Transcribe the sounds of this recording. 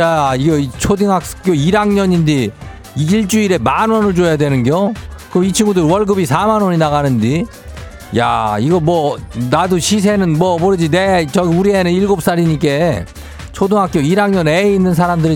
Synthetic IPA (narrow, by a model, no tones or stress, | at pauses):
aiɡet͡ɕʰodiŋɦak̚k͈joiɾaŋɲʌɲindi | iɭt͡ɕ͈uiɾe̞manwʌnɯɭd͡ʑojadwe̞nɯnɡjokɯmit͡ɕʰiŋɡudɯɾwʌɭɡɯbisʰamanoɲinaɣanɯnd͡ʑi | ja̰iɡʌmwʌnaduɕʰis̬ʰe̞nɯnmwʌpoɾed͡ʑine̞t͡ɕʌɡuɾienɯniɭɡop̚s͈aɾiɲik̬͈e̞ | t͡ɕʰodiŋɦak͈joiɾaŋɲʌneinːɯns̬ʰaɾamdɯɾi